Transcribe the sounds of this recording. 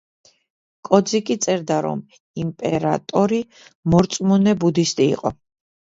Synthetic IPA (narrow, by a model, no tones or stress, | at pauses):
kʼɔd̪zikʼit̪sʼɛɾd̪aɾɔ̰m | impʼɛɾa̰t̪ʼɔɾi | mɔɾt̪sʼmɔnɛbud̪ist̪ʼḭːqʼɔ